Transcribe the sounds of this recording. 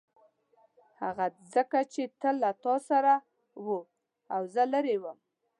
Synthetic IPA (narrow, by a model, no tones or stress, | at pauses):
haɣazəkat͡ʃet̪əlːat̪ɑsaɾa | wə | awzəlaɾewəm